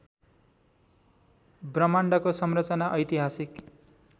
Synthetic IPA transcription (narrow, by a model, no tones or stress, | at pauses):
brʌmaɳɖʌkosʌmrʌt͡sʌnaʔʌjt̪iɦasik